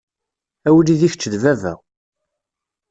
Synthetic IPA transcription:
æwəliðiçt͡ʃːəðvævæ̰

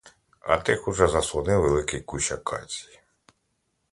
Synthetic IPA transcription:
ɐ̰t̪ɪxuʒɛzɐslˠɔnɪwʋelˠɪkɪjkuʃɐkɑ̰t͡sʲi̥j

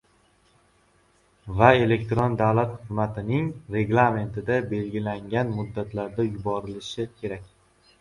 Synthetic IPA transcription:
vae̞le̞kʲt̪ɾond̪avlat̪χʊɨzmat̪ʰɪnɪŋɾe̞ɡlˠame̞nt̪ʰɪd̪abe̞lɡʲɪlaŋɡʲanmʊd̪ːat̪ʰlaɾd̪ajʊbɒɾɪlɪʃɪkʲʰe̞ɾakʲ

